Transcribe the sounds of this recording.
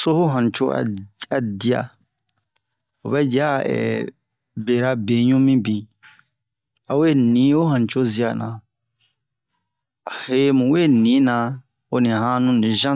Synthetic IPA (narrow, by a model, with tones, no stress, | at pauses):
so˦ho˦ɦã˨n˨t͡ʃo̰˦a̰˨a˨di˨˦a̰˨ | o˨bɛ˦d͡ʒi˨a˦ɛ̰˨ | be˨ɾa˦be˨ɲũ˦mĩ˦bĩ˨ | a˨we˦˨nĩ˨˦ho˦ɦã˨n˨t͡ʃo˦zi˦a˨nã˨ | he˦mũ˨we˦˨nĩ˨˦nã˨ | o˦nĩ˨hã˦nũ˦nĩ˨ʒã˦